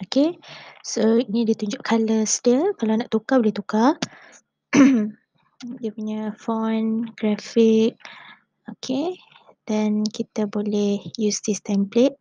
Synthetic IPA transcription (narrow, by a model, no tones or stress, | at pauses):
okesoinĩdiət̪uɲd͡ʒʊʔkʰaləsdiəkalanaʔt̪ukabolɛht̪uka | diəpuɲafɔnɡ̥ɾafik̚ | okʰe | d̥ɛnkit̪abolɛhjusdist̪amplet̚